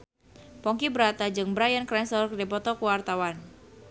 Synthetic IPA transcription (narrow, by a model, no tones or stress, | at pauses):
pɔŋkibəɾat̪ad͡ʒɨŋbəɾajankɾɛnslɔrkərdipɔt̪ɔkuwart̪awan